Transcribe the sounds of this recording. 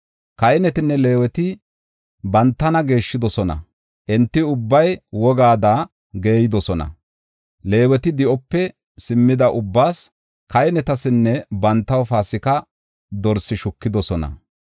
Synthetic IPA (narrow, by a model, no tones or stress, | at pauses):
kɐjnɛt̪ɪnːɛle̞ːwɛt̪ɪ | bɐnt̪ːɐnɐɡe̞ːʃːɪd̪ɔsɔnɐ̰ | ʔɛnt̪ːɪʊbːɐjwɔɡaːd̪aː | ɡe̞ːjɪd̪ɔsɔnɐ̰ | le̞ːwɛt̪ɪd̪ɪʔɔpːɛ | sɪmːɪd̪ɐʔʊbːaːs | kɐjnɛt̪ɐsɪnːɛbɐnt̪ːɐwfaːsɪkɐ | d̪ɔɾsɪʃʊkːɪd̪ɔsɔnɐ̰